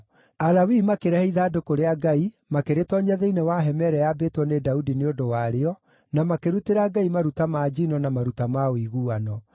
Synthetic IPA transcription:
alawimakeɾɛhɛiðaːdokoɾeaɡai | makeɾetɔɲaðeinewaɦɛmɛɾɛjabeːtwɔnedaudineodowaɾeɔ | namakeɾuteɾaɡaimaɾutamaːd͡ʒinɔnamaɾutamaoiɣuːanɔ

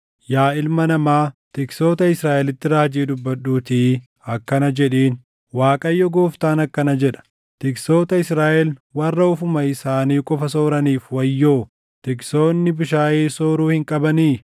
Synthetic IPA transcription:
jaːɪlmɐnɐmaːt̪ɪkso̞ːt̪ɐɪsɾaːʔɛlɪt̪ːɪɾaːd͡ʒiːd̪ʊbːɐᶑːuːt̪i | ɐkːɐnɐd͡ʒɛᶑeːn | waːkʼɐjːɔɡo̞ːft̪aːnɐkːɐnɐd͡ʒɛᶑɐ̥ | t̪ɪkso̞ːt̪ɐɪsɾaːʔɛlwɐrːɐʊfʊmɐɪsaːniːkʼɔfɐso̞ːɾɐniːfwɐjːoː | t̪ɪkso̞ːnːɪbʊʃaːʔeːso̞ːɾuːhɪŋkʼɐbɐniː

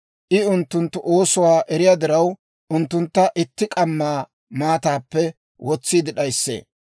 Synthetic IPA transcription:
ʔɪʊnt̪ːʊnt̪ːʊʔo̞ːsʊwaːʔɛɾɪjad̪ɪɾɐw | ʔʊnt̪ːʊnt̪ːɐʔɪt̪ːɪkʼɐmːaː | maːt̪aːpːɛ | wʔɔt͡sːiːd̪ɪɗɐjsːḛː

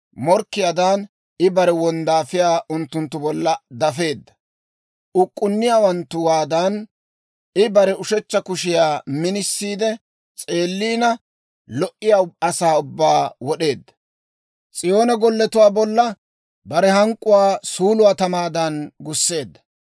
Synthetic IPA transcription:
mɔɾkːɪjaːd̪an | ɪbɐɾɛwɔnd̪aːfɪjaːʔʊnt̪ːʊnt̪ːʊbɔlːɐd̪ɐfe̞ːd̪ːɐ̥ | ʊkʼːʊnːɪjaːwɐnt̪ːʊwaːd̪ɐn | ɪbɐɾɛʊʃɛt͡ʃːɐkʊʃɪjaːmɪnɪsːiːd̪ɛ | t͡sʼe̞ːlːiːnɐ | lɔʔːɪjaːɐsaːʊbːaːwɔɗe̞ːd̪ːɐ | t͡sʼɪjo̞ːnɐɡɔlːɛt̪ʊwaːbɔlːɐ | bɐɾɛhɐŋkʼːʊwaːsuːlʊwaːt̪ɐmaːd̪ɐnɡʊsːe̞ːd̪ːɐ̥

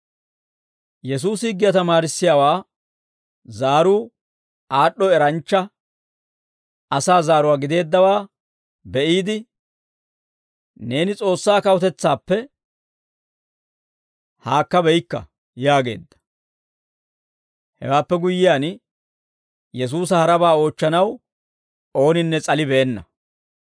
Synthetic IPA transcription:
jɛs̬uːsɪɡːɪjɐt̪ɐmaːɾɪsːɪjaːwaː | zaːɾuː | aːɗːɔɛɾɐnt͡ʃːɐ | ɐsaːzaːɾʊwaːɡɪd̪e̞ːd̪ːɐwaː | bɛʔiːd̪ɪ | ne̞ːnɪt͡sʼo̞ːsːaːkɐwɔt̪ɛt͡sːaːpːɛ | haːkːɐbɛjkːɐ̰ | jaːɡe̞̰ːd̪ːɐ̥ | hɛ̰waːpːɛɡʊjːɪjaːn | jɛs̬uːs̬ɐhɐɾɐbaːo̞ːt͡ʃːɐnɐw | o̞ːnɪnːɛt͡sʼɐlɪbɛːnːɐ

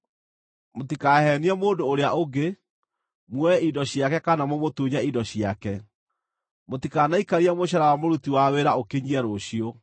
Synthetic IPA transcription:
motikaːhɛniɛmoːndoːɾeaʔoɡe | mwɛidɔɕjakɛkanamwɔmotuːɲaidɔɕjakɛ | motikaːnaikaɾiɛmoɕ̬aɾawamoɾutiwaweɾaokeɲiɛɾoɕio

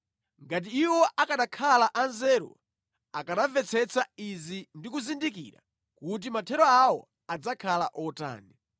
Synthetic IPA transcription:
ŋɡat̬iːwɔʔakaɗakʰalaʔanzɛːɾɔ̰ | akaɗavɛt͡sʰɛt͡saizindikuzindikḭɾa̰ | kut̬imatʰɛɾɔawɔ̰ | ad͡zakʰala̰ʔɔta̰ːnɛ

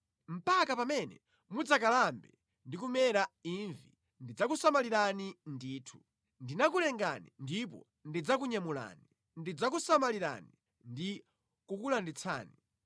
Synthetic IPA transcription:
m̩pakapamɛnɛ̰ | mud͡zakalambɛ | ndikumɛɾaiɱvi | ndid͡zakusamaliɾanindiːtʰu̥ | ndinakulɛŋɡanḭndip̬ɔ̰ | ndid͡zak̬uɲamula̰ːni | ndid͡zak̬usamaliɾa̰ni | ndi | kukulandit͡sʰa̰ːni

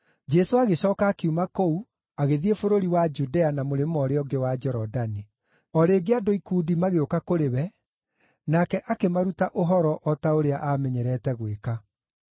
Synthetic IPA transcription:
d͡ʒɛsoaɣeɕɔːkaːkeumakou | aɣeðiefoɾoɾiwad͡ʒudɛanamoɾemɔɾeɔɡewad͡ʒɛɾɔdani | ɔɾeːɡeadoikudimaɣeokakoɾewɛ | nakɛʔakemaɾutaʔoɦɔɾɔʔɔtaoɾeaʔamɛɲɛɾɛtɛɣweka

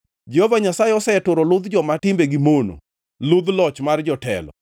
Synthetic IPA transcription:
d͡ʒɛhovaɲasaeɔsɛɛtʊɾɔlʊd̪d͡ʒɔmatɪmbeɡimono̰ | lʊd̪lɔt͡ʃmard͡ʒɔtɛ̰lɔ̰

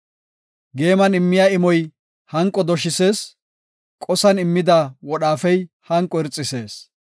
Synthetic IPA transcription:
ɡe̞ːmɐnɪmːɪjaɪmɔj | hɐŋkʼːɔd̪ɔʃɪse̞ːs | kʼɔsɐnɪmːɪd̪ɐwɔɗaːfɛj | hɐŋkʼːɔɪɾt͡sʼːɪse̞ːs

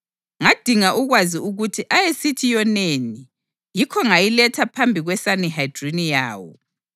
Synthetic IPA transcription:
ŋad̥ʱiŋaʔuɣwaziuɣutʰiʔajesitʰijɔneni | jikʰɔŋajilɛtʰapʰambʱiɣwɛsaniɦajd̥rinija̰ːwɔ̰

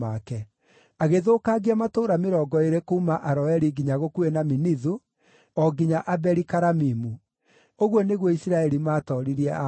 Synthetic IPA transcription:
akɛ | aɣeðoːkaɣiamatoːɾameɾɔːɡɔeɾekoumaʔaɾɔɛɾiɡiɲaɣokuenaminiðu | ɔɡiɲaʔabɛɾikaɾamimu | oɣwɔneɣwɔisiɾaɛɾimaːtɔɾiɾiɛa

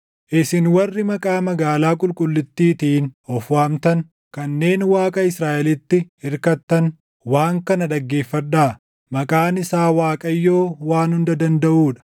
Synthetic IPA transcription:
ʔɪsɪnwɐrːɪmɐkʼaːmɐɡaːlaːkʼʊlkʼʊlːɪt̪ːiːt̪iːnɔfwaːmt̪ɐn | kɐnːe̞ːnwaːkʼɐɪsɾaːʔɛlɪt̪ːɪɪɾkɐt̪ːɐn | waːŋkɐnɐᶑ̪ɐɡːe̞ːfːɐᶑːaː | mɐkʼaːnɪsaːwaːkʼɐjːo̞ːwaːnhʊnd̪ɐd̪ɐnd̪ɐʔuːᶑɐ̥

